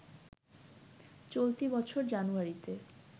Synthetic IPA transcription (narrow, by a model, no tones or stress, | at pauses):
t͡ɕolt̪ibɔt͡ɕʰoɾd͡ʑanuaɾit̪e